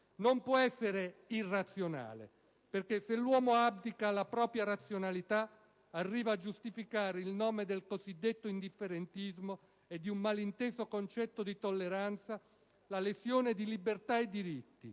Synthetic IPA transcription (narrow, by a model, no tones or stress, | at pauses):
nompwɔɛsːeɾeirːat̪sjona̰ːlḛ | perkeselːwɔːmoabd̪ikalapɾɔːpɾjaɾat̪sjonalit̪a | arːiːvaːd͡ʒːust̪ifikaːɾeilnɔːmed̪elkozid̪ːet̪ːoind̪ifːeɾent̪izmo | ed̪ːiummalint̪eːzokont͡ʃɛt̪ːod̪it̪olːeɾant̪sa | lalesjoːned̪ilibert̪aed̪ːiɾit̪ːḭ